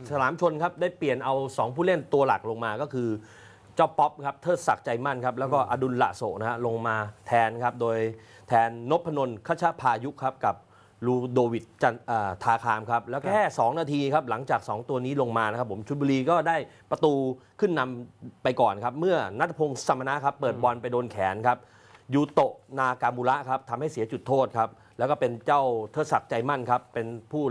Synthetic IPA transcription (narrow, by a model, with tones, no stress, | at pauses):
sa˧laː˩˦mt͡ɕʰo˧nkʰa˦˥p̚daː˥˩jpli˨˩ənʔa˧wsɔː˩˦ŋpʰuː˥˩le˥˩nt̪u˧ɐla̰˨˩k̚lo˧ŋmaː˧kɔː˥˩kʰɯː˧ | t͡ɕa˦˥˩pːɔ˦˥p̚kʰa˦˥p̚t̪ʰɤː˥˩t̪̚sa˨˩k̚t͡ɕa˧jma˥˩nkʰa˦˥p̚lɛː˦˥wkɔː˥˩ʔa˧du˧nla̰˨˩ʔso̰ː˨˩k̚na˦˥kʰa˦˥lo˧ŋmaː˧t̪ʰɛː˧nkʰa˦˥p̚doː˧j | t̪ʰɛː˧nːo˦˥pʰːa˧no˧nkʰa˦˥˩t͡ɕʰa˦˥pʰaː˧ju˦˥kʰːa˦˥p̚ka˨˩p̚ | luː˧doː˧wi˨˩t̪̚t͡ɕa˧nʔaː˨˩t̪ʰaː˧kʰaː˧mkʰa˦˥p̚lɛː˦˥wkʰɛː˥˩sɔː˩˦ŋnaː˧t̪ʰiː˧kʰa˦˥p̚la˩˦ŋt͡ɕaː˨˩k̚sɔː˩˦ŋt̪u˧ɐniː˦˥lo˧ŋmaː˧n˦˥kʰpʰːo˩˦mt͡ɕʰu˦t̪̚wuː˧liː˧kɔː˥˩daː˥˩jpɾa˧t̪uː˧kʰɯ˥˩nːa˧mpa˧jkɔː˨˩nkʰa˦˥p̚mɯ˥˩ɐna˦˥t̪̚ʰa˧pʰoː˧ŋsa˧ma˧na˦˥ʔkʰa˦˥pːɤː˨˩t̪̚bɔ˧npa˧jdoː˧nkʰɛː˩˦nkʰa˦˥p̚ | juː˧t̪o˨˩ʔnaː˧kaː˧muː˧la˦˥ʔkʰa˦˥p̚t̪ʰa˧mha˥˩jsi˨˩˦ɐt͡ɕu˨˩t̪ʰːoː˥˩t̪̚kʰa˦˥p̚ | lɛː˦˥wkɔː˥˩pe˧nt͡ɕa˥˩wt̪ʰɤː˦˥sa˨˩k̚t͡ɕa˧jma˥˩nkʰa˦˥pːe˧npʰuː˥˩